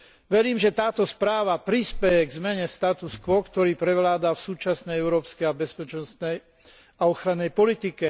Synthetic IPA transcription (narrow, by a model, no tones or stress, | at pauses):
ʋɛɾiːmʒɛt̪aːt̪ɔspɾaːʋapɾispɛjɛɡzmɛɲɛst̪at̪uskʋɔkt̪ɔɾiːpɾɛʋlaːd̪afsuːt͡ʃasnɛjɛʊɾɔːpskɛjabɛspɛt͡ʃnɔsnɛj | aɔxɾanːɛjpɔlit̪ikɛ